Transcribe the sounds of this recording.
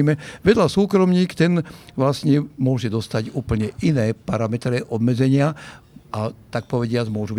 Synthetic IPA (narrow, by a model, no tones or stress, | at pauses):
mɛʋɛd̪ʎasuːkɾɔmɲiːkt̪ɛnʋlasɲɛmʊɔʒɛd̪ɔst̪aɟuːpl̩ɲɛʔinɛːpaɾamɛt̪ɾɛʔɔbmɛd͡zɛɲɪa | at̪ak̚pɔʋɛɟɪad͡zmʊɔʒubi